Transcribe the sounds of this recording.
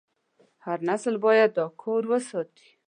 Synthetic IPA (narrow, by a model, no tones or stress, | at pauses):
haɾnaslbɑjad̪ːɑkʰoɾwəsɑt̪i̥